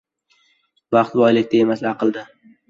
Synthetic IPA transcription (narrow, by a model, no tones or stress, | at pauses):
vɑqt̪bɒjlɪk̚ʲt̪aemaslaqʰɨlˠd̪ɪ